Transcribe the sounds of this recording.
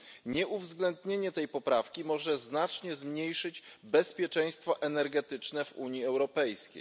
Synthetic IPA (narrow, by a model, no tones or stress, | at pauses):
ɲɛʔuvzɡlɛnd̪ɲeɲɛt̪ɛjpɔpɾafkʲimɔʐɛznat͡ʂɲɛzmɲejʂɘd͡ʑbɛspʲjɛt͡ʂɛj̃st̪fɔʔɛnɛɾɡɛt̪ɘt͡ʂnɛvṵɲiɛwɾɔpɛjskʲḛj